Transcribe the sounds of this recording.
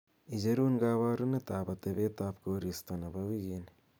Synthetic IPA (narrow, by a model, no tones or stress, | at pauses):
id͡ʒeɾuːŋɡaβaɾunet̪aːβat̪eβet̪aːpkoɾist̪onaβaβiɣine